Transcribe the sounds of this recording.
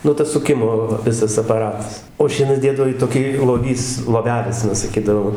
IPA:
ˈnʊ tɐs sʊˈkʲɪmoː ʋɐ ˈʋʲɪsɐs ɐpɐˈrɑːtɐs oː ˈʃʲiɛnɐs ˈdʲeːdɐʋoː ɪ toːˈkʲiː lˠoːˈʋʲiːs lˠoːˈʋʲæːlʲɪs ɐˈnɐ sɐˈkʲiːdɐʋoː

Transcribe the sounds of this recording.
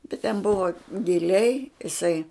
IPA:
bʲɛt tʲɛn ˈbʊʋɐ ɡʲɪˈlʲɛɪ ɪˈsɐɪ

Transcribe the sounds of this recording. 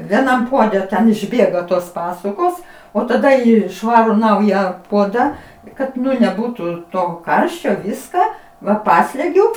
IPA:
ʋʲiɛˈnɐm ˈpuɔdʲɛ tʲɛn ɪʒʲˈbʲeːɡɐ toːs ˈpɑːsʊkoːs oː tɐˈdɐ ˈiː ˈʃʋɑːrʊ ˈnɐʊjɛ ˈpuɔdɐ ˈkɐt nʲɛˈbuːtuː toː ˈkɐrʲʃʲt͡ʃʲoː ˈʋʲɪskɐ ʋɐ ˈpɑːsʲlʲɛɡʲʊ

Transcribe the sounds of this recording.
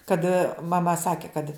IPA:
kɐt mɐˈmɐ ˈsɑːkʲɪ kɐt

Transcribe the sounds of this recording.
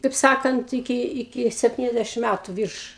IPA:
kɐɪp ˈsɑːkɐnt ɪˈkʲɪ ɪˈkʲɪ sʲɛpʲˈtʲiːnʲɛzʲdʲɛʃʲɪm ˈmʲætʊ ˈʋʲiːrʃ

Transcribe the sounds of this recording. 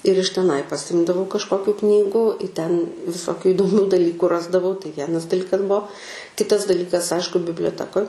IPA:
ɪr ɪʃ tʲɛˈnɐɪ pɐˈsʲɪmdɐʋɐʊ kɐʃˈkoːkʲuː ˈknʲiːɡuː ɪ tʲɛn ʋʲɪˈsoːkʲuː ɪdoːˈmʲuː dɐˈlʲiːkʊ ˈrɑːzdɐʋɐʊ tɐɪ ˈʋʲiɛnɐs dɐˈlʲiːkɐs ˈbuɔ ˈkʲɪtɐs dɐˈlʲiːkɐs ˈɐɪʃkʊ bʲɪbʲlʲoːˈtʲæːkoːj

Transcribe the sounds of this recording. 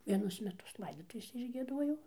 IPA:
ʋʲiɛˈnʊs mʲɛˈtʊs ˈlˠɐɪdoːtʊʋʲeːsʲɛ ɪʒʲɡʲiɛˈduɔjɛʊ

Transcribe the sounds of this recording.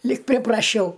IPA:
lʲiːk pʲrʲɪprɐˈʃʲɛʊ

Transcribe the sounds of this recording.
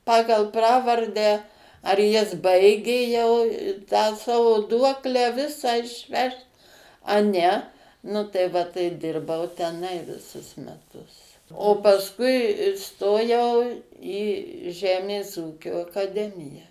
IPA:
ˈpɑːɡɐlˠ ˈprɑːʋɐrʲdʲæː ɐr jɪs ˈbɐɪɡʲeː jɛʊ tɑː ˈsɑːʋoː ˈduɔklʲæː ˈʋʲɪsɑː ɪʃʲˈʋʲɛʃt ɐ ˈnʲɛ ˈnʊ tɐɪ ˈʋɐ tɐɪ ˈdʲɪrbɐʊ tʲɛˈnɐɪ ʋʲɪˈsʊs mʲɛˈtʊs oː pɐsˈkʊɪ iːˈstoːjɛʊ iː ˈʒʲæːmʲeːs ˈuːkʲoː ɐkɐˈdʲæːmʲɪjɛ

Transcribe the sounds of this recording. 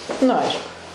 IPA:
nʊ ˈɐɪʃkʊ

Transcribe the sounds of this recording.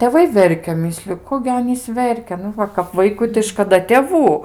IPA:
tʲeːˈʋɐɪ ˈʋʲɛrʲkʲɛ ˈmʲɪsʲlʲʊ ˈkoː ɡʲɪ ˈɑːnʲiːs ˈʋʲɛrʲkʲɛ ˈnʊ ˈʋɐ kɐp ˈʋɐɪkʊɪ tɐɪ ʃkɐˈdɐ tʲeːˈʋuː

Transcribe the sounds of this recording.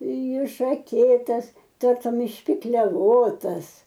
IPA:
ɪʃɐˈkʲeːtɐs ˈtɐrtʊm ɪʃʲpʲɪklʲɛˈʋoːtɐs

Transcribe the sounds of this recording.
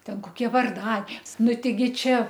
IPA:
ˈtʲɛn koːˈkʲiɛ ʋɐrˈdɐ ˈnʊ tʲɛɪˈɡʲɪ ˈt͡ʃʲɛ

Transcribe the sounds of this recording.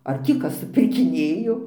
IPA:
ɐr ˈtʲiː ˈkɐs sʊpʲɪrʲkʲɪˈnʲeːjoː

